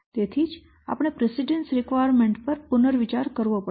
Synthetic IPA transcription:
t̪et̪ʰid͡ʒ | a̰pɽ̃epɾesiɖensɾikʋajəɾmeɳʈpəɾpʊnəɾʋit͡ʃaɾkəɾʋõpə

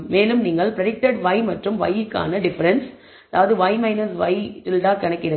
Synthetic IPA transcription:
meːlɯmniːŋɡɐɭpɾɐɽɪk̚ʈɐɽʋɐɪmɐʈrɯmʋɐ̰jɪkːa̰ːnɐɖɪfɐɾɐns | ɐðaːʋɐðɯʋɐɪmɐɪnɐɾsʋɐɪʈɪlʈaːkɐɳɐkːɪɾɐ

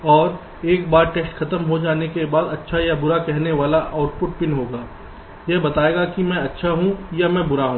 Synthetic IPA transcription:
ɔːɾ | eːk̚baːɾʈeːsʈxʰɐt̪əmɦod͡ʒaːnekebaːd̪ɐtːʃʰajabʊɾakɛɦneʋaːlaʔaːʊʈpʊʈpɪnɦoːɡaː | jɛbɐt̪aːeːɡakimɛ̃ɐtːʃʰaɦũjamɛ̃bʊɾaɦũː

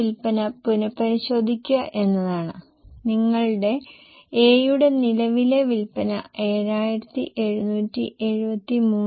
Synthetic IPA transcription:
ilpɐnɐpunɐpːɐɾiɕo̞ːd̪ʱikʲːuɐʔe̞nːɐðaːɳɨ | niŋːɐɭɽe̞ | eːjuɽe̞nilɐʋile̞ʋilpɐnɐe̞ːɾaːjiɾɐt̪ːḭʔe̞ɻunuːtːḭʔe̞ɻubɐt̪ːimuː

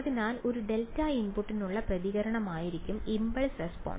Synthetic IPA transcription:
ðinaːloɾuɖeltːaːjinpuʈːinːuɭːɐprɐðiɣɐɾɐɳɐmaːjiɾikʲːumimbɐɭsrespo̰ːɳ

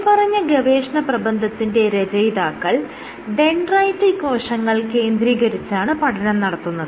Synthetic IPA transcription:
pɐrɐɲːɐɡɐʋeːʂɐɳɐprɐbɐnd̪ʱɐt̪ːinde̞ɾɐd͡ʑɐjd̪aːkːɐɭ | ɖeɳɖrɐjtːiko̞ːʂɐŋːɐɭke̞ːnd̪ɾiːɣɐɾit͡ɕːaːɳɨpɐʈʰɐnɐmnɐɽɐt̪ːunːɐðɨ

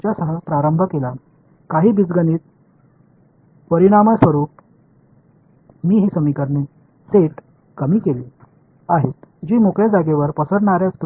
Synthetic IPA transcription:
t͡ɕjasəɦəpɾaɾəmbʱəkela | kaɦiːbid͡zɡəniːt̪̚ | pəɾiɽ̃aməsʋəɾuːp̚ | miːɦiːsəmikəɾɳe | seʈ | kəmiːkeliː | aɦet̪d͡ʑiːmokɭjed͡zaɡeʋəɾpəsəɽɳaɾjast̪

